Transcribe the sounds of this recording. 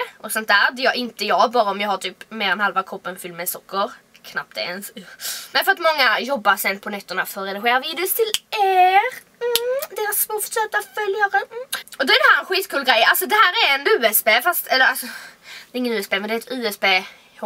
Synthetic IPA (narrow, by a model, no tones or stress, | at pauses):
ʔɔsɔnt̪æːɾd̪ɛjɑɪnt̪əjɑːɡbɑːɾaɔmjɑːhat̪ʰyːpmeːɾɛnhalvakʰɔpːənfʏlmɛsɔkːəɾ | kʰnap̚t̪ɛ̰ɛnsnɛfœɾat̪mɔŋːajɔbːaɾsɛnlpʰɔnɛt̪ːəɳafœɾɾɛd̪ɪɧeːɾaviːd̪ɪʊst̪ʰɪleɾ̩ | d̪eɾasmɔfɔʂøːt̪afœljadɛɔd̪ɔɛɾd̪ɛhæːɾɛnɧiːt̪kʰʉːlɡɾɛjːalsɔd̪ɛɦæːɾæɾɛnʉ̟ːɛspeːfast̪ɛlːəɾalsɔd̪ɛɪŋːənʉ̟ːɛsbeːmɛnd̪ɛæɾɛt̪ʉ̟ːɛspeː